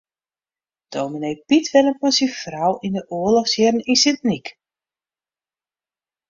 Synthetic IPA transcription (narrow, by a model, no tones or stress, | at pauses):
d̥owminejpitʋɛlənmɔnsifrawʔindəʔoəlɔfsjɪrn̩insɪntnik